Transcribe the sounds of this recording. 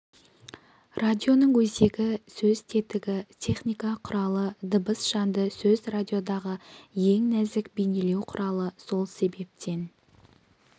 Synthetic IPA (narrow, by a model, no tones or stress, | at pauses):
rad̪ʲio̞nəɴwɵze̞ɡʲɪsɵzt̪ʰe̞t̪ɪɡʲɪt̪ʲʰe̞χnijkɑqʰʊɾɑlˠəd̪əbəsʒɑnd̪əsɵzrad̪ʲijo̞d̪ɑʁəje̞ŋnæzɪkbejne̞le̞wqʰʊɾɑlˠəso̞lˠse̞be̞p̚t̪ʰe̞n